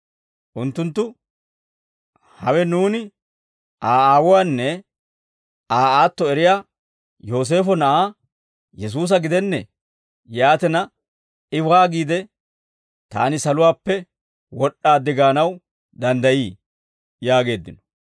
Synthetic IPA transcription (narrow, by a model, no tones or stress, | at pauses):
ʔʊnt̪ːʊnt̪ːʊ | hɐwɛnuːnɪ | ʔaːaːwʊwaːnːɛ | aːaːt̪ːɔɛɾɪjaː | jo̞ːs̬e̞ːfɔnɐʔaː | jɛs̬uːs̬ɐɡɪd̪ɛnːɛ | jaːt̪ɛnɐ | ɪwaːɡiːd̪ɛ | t̪a̰ːnɪsɐlʊwaːpːɛ | wɔɗːaːd̪ɪɡaːnɐw | d̪ɐnd̪ɐjiː | jaːɡe̞ːd̪ːɪnɔ̥